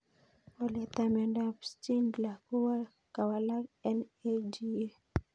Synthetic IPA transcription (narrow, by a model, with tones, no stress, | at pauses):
ɔ˨lɛ˨t̪a˨mɛ˨ndapsti˦nla˨ko˦wa˦ | ka˨wa˨la˦ɛ˦ned͡ʒi˦e˦